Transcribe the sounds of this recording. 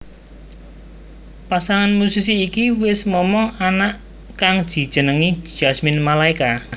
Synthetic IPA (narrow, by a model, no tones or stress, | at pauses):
pasaŋanmusisiːkiwɪsmɔmɔŋanaʔ | kaŋd̥ʒ̥i̤d̥ʒ̥ə̤nəŋi̥ʒ̥asmɪnmalaika